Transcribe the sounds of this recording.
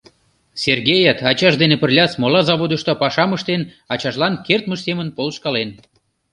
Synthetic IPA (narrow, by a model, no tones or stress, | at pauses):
serɣejɑt̪ɑt͡ɕɑʒd̪enepərlʲɑsmolɑzɑβod̪əʃt̪opɑʃɑməʃt̪en | ɑt͡ɕɑʃlɑnkert̪məʃsemənpolʃkɑlen